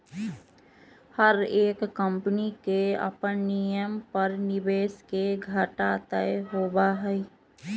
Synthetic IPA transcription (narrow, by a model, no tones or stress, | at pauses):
həɾeːkːəmpnikeɐ̰pənnijəmpəɾnɪbeːskeɡʱɐʈat̪əeɦoːbaɦɛi